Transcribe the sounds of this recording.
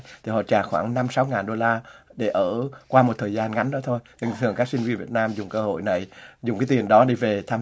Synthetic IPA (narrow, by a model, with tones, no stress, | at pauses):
t̪ʰi˨˩hɔ̰˧˨t͡ɕaː˧˩xwaː˧˩ŋna˧msa˨˦wŋaː˨˩nɗo˧laː˧ɗe˧˩ʔəː˧˩kwaː˧mo˨˩t̚t̪ʰəː˨˩jzaː˧nŋa˨˦ŋɗɔ˨˦t̪ʰo˧jɲɨ˧˩ŋt̪ʰɨ˧˨əŋkaː˦˥k̚si˧ŋ̟vi˧nvi˨˩ət̚naː˧mzʊ˨˩ŋ͡mkəː˧ho̰˧˨jna˨˩jzʊ˨˩ŋ͡mkaː˨˦t̪i˨˩ənɗɔ˨˦ɗi˧ve˨˩t̪ʰaː˧